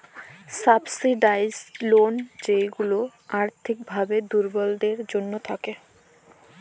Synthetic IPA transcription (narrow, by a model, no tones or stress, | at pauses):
sabsiɖajzlond͡ʑejɡuloaɾt̪ʰik̚bʱabed̪uɾbɔlɖ̪eɾd͡ʑonːot̪ʰake